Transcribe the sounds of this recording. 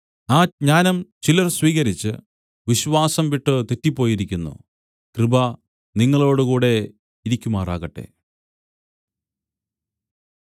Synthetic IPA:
aːɲaːnɐmt͡ɕilɐrswiːɣɐɾit͡ɕːɨ̰ | ʋiɕʋaːsɐmʋiʈːɨt̪etːipːo̞ːjiɾikʲːunːṵ | krɨbɐ | niŋːɐɭo̞ːɽukuːɽe̞ | iɾikʲːumaːra̰ːɣɐʈːe̞̰

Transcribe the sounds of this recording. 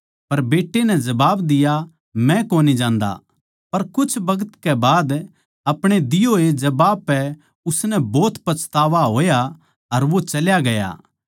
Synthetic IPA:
pɐɾbeːʈːenɛ̃d͡ʒɐbaːbd̪ɪja | mɛ̃koːnid͡ʒãːnd̪a̰ | pɐɾkʊt͡ʃʰbɐɡət̪kɛbaːd̪ | ɐpɽ̃ed̪ɪjoːed͡ʒɐbaːbpːɛ | ʊsnɛbɔːt̪pɐt͡ʃt̪aːʋaɦoːja | ɐɾʋot͡ʃɐljaɡɐja̰ː

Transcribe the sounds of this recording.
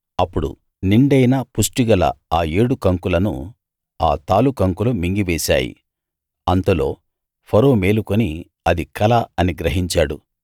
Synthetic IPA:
ɐpːuɽṵ | niɳɖɐjnapusʈiɡɐlɐ̰aːe̞ːɽukɐŋkulɐnṵ | aːt̪aːlukɐŋkulumiŋɡiʋeːsa̰ːjḭ | ɐnt̪ɐlo̞ː | pʰɐɾoːme̞ːlukoni | ɐd̪ikɐlɐɐniɡɾɐɦiɲt͡ʃaːɽu

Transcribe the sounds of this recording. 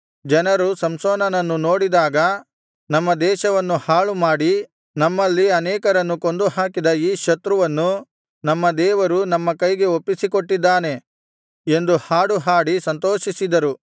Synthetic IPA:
d͡ʒɐnɐɾusɐmsoːnɐnɐnːuno̞ːɽid̪aːɡɐ | nɐmːɐd̪ɛːʃɐʋɐnːuhaːɭumaːɽi | nɐmːɐlːiɐnɛːkɐɾɐnːuko̞nd̪uɦaːkid̪ɐiːʃɐt̪ɾuʋɐnːu | nɐmːɐd̪ɛːʋɐɾunɐmːɐkɐjɡe̞opːisiko̞ʈːid̪ːaːne̞ | e̞nd̪uhaːɽuɦaːɽisɐnt̪oːʃisid̪ɐɾu

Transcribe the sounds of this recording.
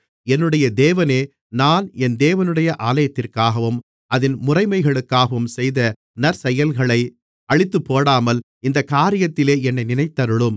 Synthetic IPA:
ɛnːɯɽɐjɐd̪eːʋɐneː | naːnɛnd̪eːʋɐnɯɽɐjɐʔaːlɐjɐt̪ːɪrkaːɣɐʋɯm | ʔɐðɪnmʊrɐɪmɐɪɣɐɭɯkːaːɣɐʋɯmsɛjðɐ | nɐɾsɛjɐlɣɐɭɐɪ | ɐɭɪt̪ːɯpːoːɽaːmɐl | ɪnd̪ɐkːaːɾɪjɐt̪ːɪleːɛnːɐɪnɪnɐɪt̪ːɐɾɯɭɯm

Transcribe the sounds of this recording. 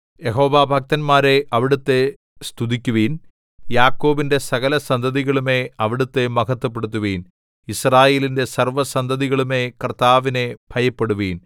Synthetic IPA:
jeɦo̞ːʋaːbʱɐk̚t̪ɐnmaːɾe̞ʔɐʋiɽut̪ːe̞ | st̪uðikʲːuʋiːn | jaːkːo̞ːbinde̞sɐɣɐlɐsɐnd̪ʱɐðiɣɐɭume̞ɐʋiɽut̪ːe̞mɐkɐt̪ːup̬ːeɽut̪̬ːuʋiːn | israːje̞ːlinde̞sɐrʋɐsɐnd̪ʱɐðiɣɐɭume̞krt̪aːʋine̞b̥ʱɐjɐpːe̞ɽuʋiːn

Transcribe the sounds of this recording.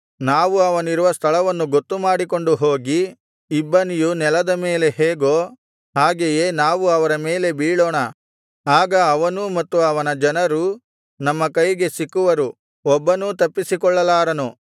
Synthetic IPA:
naːʋuɐʋɐniɾuʋɐst̪ʰɐɭɐʋɐnːuɡot̪ːumaːɽiko̞ɳɖuɦo̞ːɡiː | bːɐnijunɛlɐd̪ɐmeːle̞ɦeːɡo̞ː | ɦaːɡeje̞ːnaːʋuɐʋɐɾɐme̞ːle̞biːɭoːɳɐ | aːɡɐːʋɐnumɐt̪ːuɐʋɐnɐd͡ʒɐnɐɾu | nɐmːɐkɐjɡe̞sikːuʋɐɾu | ɔbːɐnut̪ɐpːisikɔɭːɐlaːɾɐnu

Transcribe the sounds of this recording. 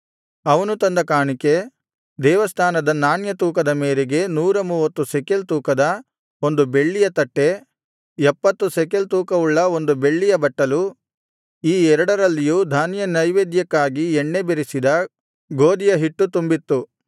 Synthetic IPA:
ɐʋɐnut̪ɐnd̪ɐkaːɳike | d̪ɛːʋɐst̪ʰaːnɐd̪ɐnaːnjɐt̪uːkɐd̪ɐmeːɾeɡe̞nuːɾɐmuːʋɐt̪ːusekelt̪uːkɐd̪ɐ | o̞nd̪ube̞ɭːijɐt̪ɐʈːe̞ | ɛpːɐt̪ːusɛkelt̪uːkɐuɭːɐo̞nd̪ube̞ɭːijɐbɐʈːɐlu | iːɛɾɐɽɐɾɐlːijuːd̪ʱaːnjɐnɐjʋeːd̪jɐkːaːɡiɛɳːebeɾisid̪ɐ | ɡoːd̪ijɐɦiʈːut̪umbit̪ːu

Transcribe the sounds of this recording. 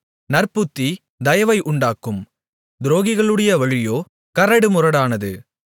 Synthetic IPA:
nɐɾpɯt̪ːi | d̪ɐjɐʋɐɪʔʊɳɖaːkːɯm | d̪ɪɾoːɣɪɣɐɭɯɽɐjɐʋɐɻɪjoː | kɐɾɐɽɯmʊrɐɽaːnɐðɯ̰

